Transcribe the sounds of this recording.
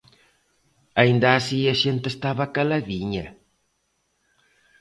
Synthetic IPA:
aĩnd̪ɐːsiaʃent̪est̪aβɐkalaðiɲɐ

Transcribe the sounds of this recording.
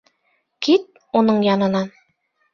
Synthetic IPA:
kit̪̚ | unɤɴjɑnɤ̆nɑ

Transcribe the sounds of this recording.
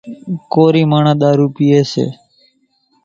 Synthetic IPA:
koːɾiːmaːɳãːɗ̪aːɾuːpiːeːsḛː

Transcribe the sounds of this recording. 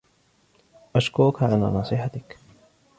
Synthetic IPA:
ʔaʃkʊɾʊkaʕala̰ːnɑːsˤɨħat̪ɪk

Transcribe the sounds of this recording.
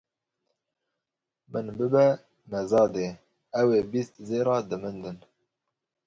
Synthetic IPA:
mɨnbɨbɛ | mɛzɑːd̪eː | ɛweːbist̪zeːɾɑːd̪ɨmɨnd̪ɨn

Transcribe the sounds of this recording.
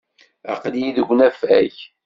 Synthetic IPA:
ɑ̰qljiðəɡʷːnæfæ̰ç

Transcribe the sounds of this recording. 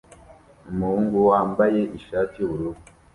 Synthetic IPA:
umuhuːŋɡuwaːmbaje̞ʔiʃaːtiuβuɾuβu

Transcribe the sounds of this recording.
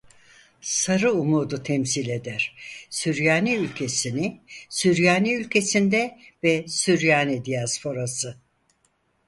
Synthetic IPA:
saɾɯumuːd̪ut̪ʰɛmsilʲe̞d̪æɾ̥syɾjaːniylʲcʰe̞sinɪsyɾjaːniylʲcʰe̞sind̪ɛvɛsyɾjaːnid̪ijaspʰo̞ɾasɯ

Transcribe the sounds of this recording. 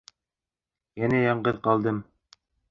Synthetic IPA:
jænæjɑɴɢɤðqɑlˠd̪ɤm

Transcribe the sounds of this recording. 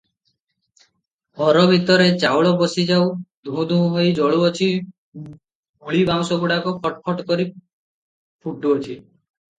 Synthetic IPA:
hɔɾɔbʱit̪ɔɾet͡ʃawɭɔbɔsid͡ʒawd̪ʱuũd̪ʱũɦũɦojd͡ʒɔɭuɔt͡ʃʰi | ɡuɭibaw̃sɔɡuɽakɔpʰɔʈpʰɔʈkɔɾi | pʰuʈuɔt͡ʃʰi

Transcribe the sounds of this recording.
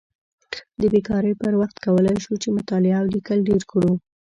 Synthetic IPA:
d̪əbekɑɾəjpəɾwaxt̪kawəlajʃut͡ʃemʊt̪ɑlɪawlikəlɖeɾkɽu

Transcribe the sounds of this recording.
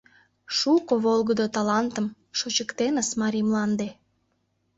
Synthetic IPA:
ʃukoβolˠɣəd̪ot̪ɑlɑnt̪əm | ʃot͡ɕəkt̪enəsmɑɾimlɑnd̪e

